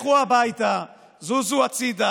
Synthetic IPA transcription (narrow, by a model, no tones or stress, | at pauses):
χuabajt̪a | zuzuat͡sid̪a